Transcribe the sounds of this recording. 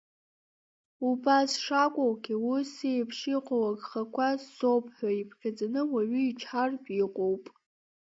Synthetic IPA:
ubasʂakʷʼowɡʲiwʊsejpʰʂiqʷʼowaɡʼχakʷʰasːo̞pʰʼħʷᶣaipʰχʲad͡zanɨwaɥʏit͡ʃʰħarbiqʷʼowpʼ

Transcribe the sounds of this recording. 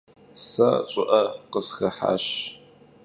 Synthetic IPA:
sat͡ʃʼʊʔɐqəsxɐħa̰ːɕ

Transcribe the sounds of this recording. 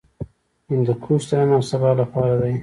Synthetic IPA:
ɪnd̪əkʰust̪aanawsabɑlapɑɾad̪aj

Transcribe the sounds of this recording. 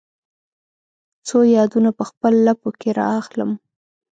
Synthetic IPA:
t͡sojɑd̪unapəxpəlːapokeɾɑ̰axləm

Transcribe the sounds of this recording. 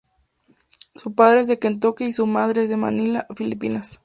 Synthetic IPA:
supaðɾeezðekent̪̬okeisumað̞ɾeezðe̞ma̰nilafilipinas

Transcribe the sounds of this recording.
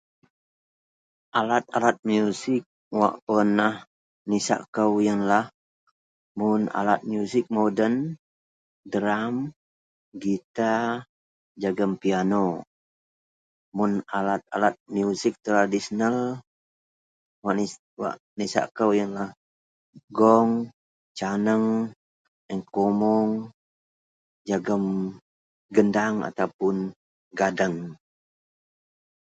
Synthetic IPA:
ʔalat̪̚alat̪̚mjusɪk̚ | wa̰ʔpənah | nisa̰ʔkəwjənlah | mʊna̰lat̪̚mjusɪk̚modən | dəɾam | ɡit̪a | d͡ʒaɡəmpiano | mʊnalat̪̚alat̪̚mjusɪk̚t̪ɾadisənəl | waʔni | wa̰ʔ | nisa̰kəwjaŋlah | ɡɔŋ | t͡ʃanəŋ | əŋkomɔŋ | d͡ʒaɡəm | ɡəndaŋa̰t̪awpʊn | ɡadəŋ

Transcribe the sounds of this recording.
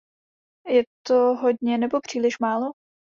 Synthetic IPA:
jɛt̪oɦodɲɛnɛbo̞pr̝̥iːlɪʃmaːlo

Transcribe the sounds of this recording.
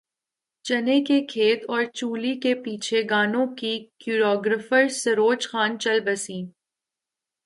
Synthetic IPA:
t͡ʃɐnekekʰeːt̪ɔːɾt͡ʃuːlikepiːt͡ʃʰeɡaːnõkikjuːɾɔːɡɾəfəɾsɐɾoːt͡ʃxaːnt͡ʃɐlbɐsĩː

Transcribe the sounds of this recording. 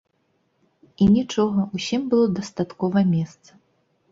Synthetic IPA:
inʲit͡ʂɔɣɐusʲimbɨlˠɔd̪ɐst̪at̪kɔvɐmʲɛst̪sɐ̥

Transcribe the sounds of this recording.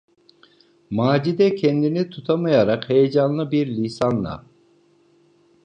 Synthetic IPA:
maːd͡ʒid̪ɛcʲʰɛnd̪init̪ʰut̪ʰamajaɾɑqhejed͡ʒanlˠɯbiɾlʲisanlˠa̰

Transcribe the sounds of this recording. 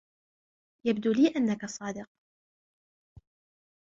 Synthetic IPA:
jabd̪uːliːʔanːakasˤɑːd̪ɪq̚

